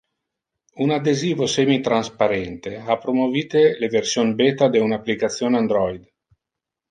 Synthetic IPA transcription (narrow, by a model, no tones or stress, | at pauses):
unad̪eziːvosemit̪ɾanspaɾɛnt̪eapːɾomoviːt̪eleversjonbet̪ad̪eunapːlikat̪sːjoːnand̪ɾɔjd̪